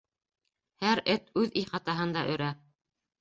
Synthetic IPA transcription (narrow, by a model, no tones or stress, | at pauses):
hæɾɘt̪ʉðiχɑt̪ɑɦɤnd̪ɑʔɵ̆ɾæ